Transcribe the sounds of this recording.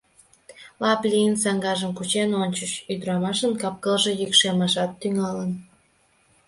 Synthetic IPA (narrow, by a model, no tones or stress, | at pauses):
lɑplʲiənsɑŋɡɑʒəmkut͡ɕenonʲt͡ɕət͡ɕyd̪ɾɑmɑʃənkɑp̚kəlʒejikʃemɑʃɑt̪ːyŋɑlən